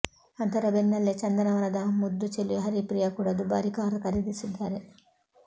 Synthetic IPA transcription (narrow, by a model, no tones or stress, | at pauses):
ɐnt̪ɐɾɐbenːɐlːet͡ʃɐnd̪ɐnɐʋɐnɐd̪amud̪ːut͡ʃeliɦɐɾipɾijakuːɽɐd̪ubaːɾikaːɾɐkɐɾid̪isid̪ːaːɾe